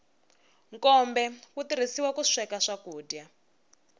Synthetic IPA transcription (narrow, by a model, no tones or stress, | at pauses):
ŋkɔmbɛkutiɾisiwakuʂɛkaʂakuːdja